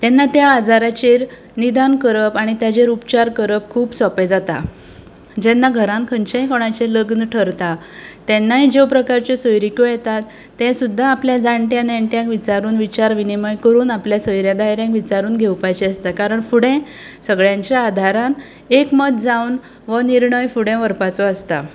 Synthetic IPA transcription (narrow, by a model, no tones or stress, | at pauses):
t̪ɛnːat̪jaːd͡zaɾat͡ɕeɾ | nid̪ankəɾəpaɽ̃it̪jad͡ʑeɾupt͡ɕaɾkəɾəp̚kʰuːpsɔped͡zat̪a̰ | d͡ʑɛnːaɡʱəɾãnkʰənt͡ɕãɦĩkɔɽ̃at͡ɕeləɡnəʈʰəɾt̪a | t̪ɛnːaɦid͡ʑewpɾəkaɾt͡ɕesəjɾikojɛt̪at̪ː | ɛ̃sud̪ʱːaːpljad͡zaɳʈjãnaɳʈjãkʋit͡ɕaɾuːnʋit͡ɕaɾʋiniməjkəɾuːnapljasəjɾjãd̪ajɾjãŋkʋit͡ɕaɾuːnɡʱewpajt͡ɕiəst̪akaɾəɳfuɽɛ̃ | səɡɭjãɲt͡ɕjaːd̪ʱaɾãn | ekmət̪d͡zaun | ʋəniɾɳəjfuɽẽʋəɾpat͡sɔəst̪a̰